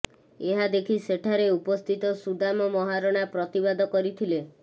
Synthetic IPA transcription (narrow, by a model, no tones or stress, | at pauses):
eɦad̪ekʰiseʈʰaɾeupɔst̪ʰit̪ɔsud̪amɔmɔɦaɾɔɽ̃apɾɔt̪ibad̪ʱɔkɔɾit̪ʰile